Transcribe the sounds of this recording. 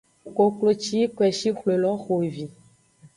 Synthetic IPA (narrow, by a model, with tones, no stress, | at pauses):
ko˨klo˨t͡ʃi˦kwɛ˨ʃi˦xlo˨lɔ̃˦xo˨vi˨